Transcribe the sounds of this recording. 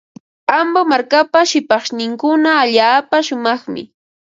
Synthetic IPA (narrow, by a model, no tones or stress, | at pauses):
ambamaɾkapaʃɪpɑχʃnɪŋkʊnaːʎaːpaʃʊmɑχmɪ̰